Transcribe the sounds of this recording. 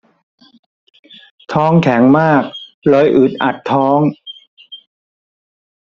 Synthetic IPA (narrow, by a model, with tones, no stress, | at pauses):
t̪ʰɔː˦˥ŋkʰɛ˩˦ŋmaː˥˩k̚ | lɔ˨˩jʔɯː˨˩t̪̚ʔa̰˨˩t̪ʰːɔː˦˥ŋ